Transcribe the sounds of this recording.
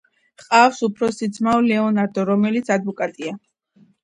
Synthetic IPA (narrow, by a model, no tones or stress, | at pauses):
qʼafsupʰɾɔsid̪zmaɔlɛɔnaɾd̪ɔɾɔmɛlit̪sʰad̪vɔkʼat̪ʼia